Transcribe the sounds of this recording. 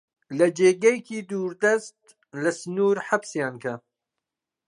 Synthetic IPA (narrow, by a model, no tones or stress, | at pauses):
lɐd͡ʒeːɡɐjkʰiːd̪uːɾd̪ɐst̪̚ | lɐsnuːɾħabsjaːnkʰɐ